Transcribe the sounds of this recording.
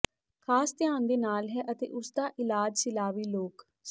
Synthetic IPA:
kʰaːst̪ɪjaːnd̪eːnaːlɦɛːʔət̪ḛːʔʊsd̪aːʔɪlaːd͡ʒsɪlaːʋiːloːk | s

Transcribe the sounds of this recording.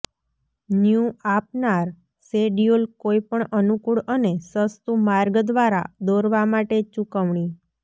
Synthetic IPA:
njũapnaɾ | seɖijulkoipəɳənukuɽənesəst̪umaɾɡd̪ʋaɾa̰d̪oɾʋamaʈet͡ʃukəʋɳi

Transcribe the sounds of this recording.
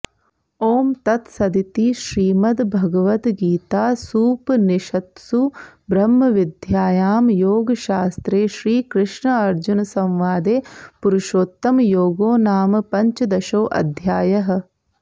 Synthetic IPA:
oːmt̪ɐt̪sɐd̪it̪iʃɾiːmɐd̪bʱɐɡɐʋɐt̪ɡiːt̪aːsuːpniʃɐt̪subɾɐmːɐʋid̪ʱjaːjaːmjoːɡɐʃaːst̪ɾeːʃɾiːkɾɪʂɳɐɐɾd͡ʒunɐsɐ̃mʋaːd̪eːpuɾuʃoːt̪ːɐmjoːɡoːnaːmpɐɲt͡ʃɐd̪ɐʃoːʔɐ̰d̪ʱjaːjɐɦɐ̆

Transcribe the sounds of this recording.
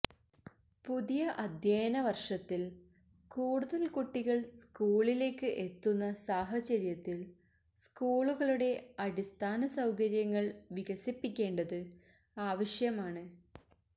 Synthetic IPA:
puðijɐʔɐd̪ʱjeːnɐʋɐrʂɐt̪ːil | kuːɽuðɐlkuʈːiɣɐɭskuːɭile̞ːkːɨʔe̞t̪ːunːɐsaːɦɐt͡ɕɐɾjɐt̪ːil | skuːɭuɣɐɭuɽe̞ɐɽist̪ʰaːnɐsɐwkɐɾjɐŋːɐɭʋiɣɐsipːikʲːe̞ːɳɖɐðɨ | aːʋɐʂjɐmaːɳɨ

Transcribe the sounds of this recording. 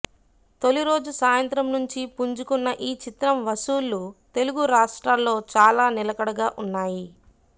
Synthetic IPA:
t̪o̞liɾo̞ːd͡ʒusaːjɐnt̪ɾɐmnuɲt͡ʃipuɲd͡ʒukunːɐʔiːt͡ʃit̪ɾɐmʋɐsuːlːut̪e̞luɡuɾaːʂʈɾaːlːo̞ːt͡ʃaːlaːnilɐkɐɽɐɡaːʔunːaːji

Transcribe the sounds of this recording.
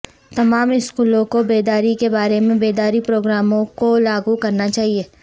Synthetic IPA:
t̪ɐmaːmɪskuːlõkobeːd̪aːɾikebaːɾemẽbeːd̪aːɾipɾoːɡɾaːmõkolaːɡukɐɾnat͡ʃaːɦieː

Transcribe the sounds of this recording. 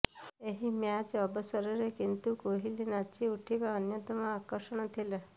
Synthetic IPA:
eɦimjãd͡ʒəbəsəɾəɾekint̪ukoɦilinat͡ʃiuʈʰiʋaənjət̪əmãːkəɾʃəɳ̃ɔt̪ʰile

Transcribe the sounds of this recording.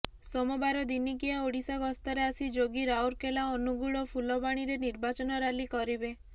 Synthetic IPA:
somɔbaɾɔd̪inikijaoɽisaɡɔst̪ɔɾeasid͡ʒoɡiɾawɾkelaɔnuɡuɭɔpʰulɔbaɽ̃iɾeniɾbat͡ʃɔnɔɾalikɔɾibe

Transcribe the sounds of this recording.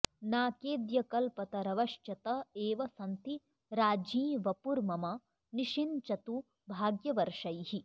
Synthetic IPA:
naːkeːd̪jɐkɐlpɐt̪ɐɾɐʋɐʃt͡ʃɐt̪ɐeːʋɐsɐnt̪i | ɾaːd͡ʒĩːʋɐpuɾmɐmɐ | niʃint͡ʃɐt̪u | bʱaːɡjɐʋɐɾʂɐjhi

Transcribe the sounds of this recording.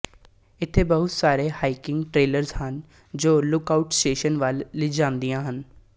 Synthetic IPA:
ɪt̪ʰːeːbəɦʊt̪saːɾeːhaːikɪ̃ŋɡʈɾeːləɾzhən | d͡ʒoːlʊkaːuʈsʈeːʃənʋəlːid͡ʒãːnd̪ijãːɦən

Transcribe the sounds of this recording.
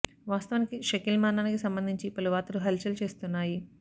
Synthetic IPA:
ʋaːst̪ɐʋɐnikiʃɐkilmaːnaːnikisɐmbɐnd̪ʱiɲt͡ʃipɐluʋaːt̪ɐluɦelt͡ʃɐlt͡ʃe̞ːst̪unːaːji

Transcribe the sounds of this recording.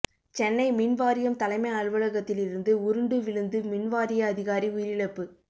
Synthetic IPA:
t͡ʃɛnːɐɪmɪnʋaːɾɪjɐmt̪ɐlɐɪmɐɪɐɻʋɐɭɐɣɐt̪ːɪlɪɾɯnd̪ɯʊɾɯɳɖɯʋɪɭɯnd̪ɯmɪnʋaːɾɪjɐːðɪɣaːɾiʊjɪɾɪɭɐpːɯ

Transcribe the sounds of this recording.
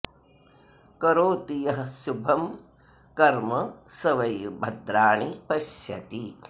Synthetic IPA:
kɐɾoːt̪ijɐɦɐ̆ʃubʱɐm | kɐɾmɐsɐʋɐjbʱɐd̪ɾaːɳipɐʃjɐt̪i

